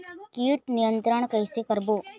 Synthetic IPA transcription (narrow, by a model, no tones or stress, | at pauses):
kiuʈnijənt̪ɾəɳ̃kəjsekəɾbo